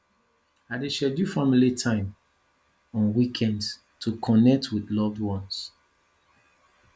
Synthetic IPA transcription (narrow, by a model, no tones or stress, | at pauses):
adeʃɛdjufamilitʰãɪ̃m | ɔ̃nwikʰɛ̃nd | tʰukʰɔ̃nɛk̚tʰwiðlɔvdwɔ̃ns